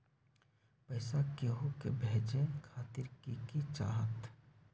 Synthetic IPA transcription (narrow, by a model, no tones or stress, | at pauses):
pɛːsakeɦokebʱeːd͡ʒekʰaːt̪ɪɾkikit͡ʃa̰ːɦət̪